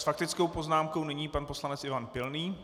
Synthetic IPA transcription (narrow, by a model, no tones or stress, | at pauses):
sfak̚t̪ɪt͡sko̞wpo̞znaːmko̞wnɪɲiːpanposlanɛt͡sʔɪvanpɪlniː